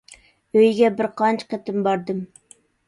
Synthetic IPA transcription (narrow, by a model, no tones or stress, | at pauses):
øjɡʲɛbɪɾqʰɑnt͡ʃqet̪ɪmbɑɾd̪ɨm